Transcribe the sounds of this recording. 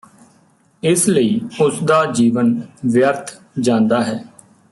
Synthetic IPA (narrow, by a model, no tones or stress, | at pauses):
ɪsləiːʊsd̪aːd͡ʒiːʋənʋjəɾt̪ʰ | d͡ʒãːnd̪aːɦɛː